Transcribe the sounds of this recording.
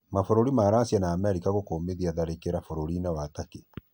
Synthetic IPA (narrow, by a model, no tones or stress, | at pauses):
mafoɾoɾimaɾasianaːmɛɾikaɣokoːmeðiaðaɾekeɾafoɾoɾinɛwatake